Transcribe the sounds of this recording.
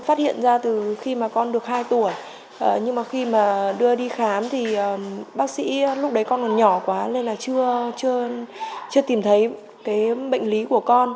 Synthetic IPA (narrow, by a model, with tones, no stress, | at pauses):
faː˦˥t̚hḭ˧˨ənzaː˧t̪ɨ˨˩xi˧maː˨˩kɔ˧nɗɨ˨˩ək̚haː˧jt̪u˧˩əj | ʔəː˨˩ɲɨ˧ŋmaː˨˩xi˧maː˨˩ɗɨ˧əɗi˧xaː˨˦mt̪ʰi˨˩ʔəː˨˩ɓaː˦˥k̚sḭ˧˥lʊ˦˥k͡p̚ɗə˨˦jkɔ˧nkɔ˨˩nɲɔ˧˩kwaː˨˦le˧nlaː˨˩t͡ɕɨ˧ət͡ɕɨ˧ət͡ɕɨ˧t̪i˨˩mt̪ʰə˨˦j | kaː˨˦jɓə̰˧˨ŋ̟li˨˦ku˧˩əkɔ˧n